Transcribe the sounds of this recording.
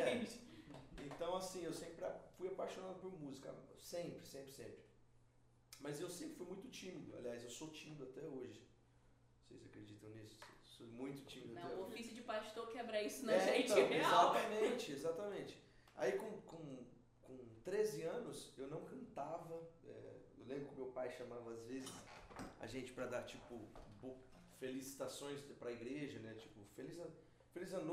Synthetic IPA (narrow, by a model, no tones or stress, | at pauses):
ɛ | ẽnt̪ɐ̃w̃asĩewsẽpɾɪafujapajʃonad̪ʊpʊɾmuzikɐ̰sẽmpɾɪsẽmpɾɪsẽmpɾɪ | mɐzewsẽpɾɪfujmũj̃t̪ʊt͡ʃĩmid̪ʊa̰liajzewsot͡ʃĩmid̪ʊat̪ɛoʒɪ | osḛjzakɾed͡ʒit̪ɐ̃w̃nisʊ̥ssojmũj̃t̪ʊ̥t͡ʃĩmid̪ʊaɛofisjʊd͡ʒɪpat͡ʃi̥t̪okɛbɾɐisʊnɛ̃ẽt͡ʃ̪w̃ezat̪ɐmẽt͡ʃɪezat̪ɐmẽnt͡ʃɪ̥ | a̰ikõkõ | kõt̪ɾezɪɐ̃nʊsewnɐ̃w̃kɐ̃nt̪avɐɛ̰ḛwlẽmbɾʊkʲɪʊmewpajʃɐ̃mavɐazvezɪsɐ̰ʒẽnt͡ʃɪ̥pɾɐd̪aɾt͡ʃipʊbo | felisi̥t̪asõj̃spɾɐiɡɾeʒɐnɛt͡ʃi̥pʊfelis | felizɐ̃n